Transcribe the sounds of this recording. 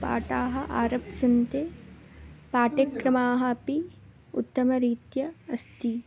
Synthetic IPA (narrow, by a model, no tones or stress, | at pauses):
pa̰ːʈaːɦɐ̆ʔaːɾɐpsɐnt̪e | paːʈɐkɾɐmaːɦɐpi | ut̪ːɐmɐɾiːt̪jɐɐst̪ʰi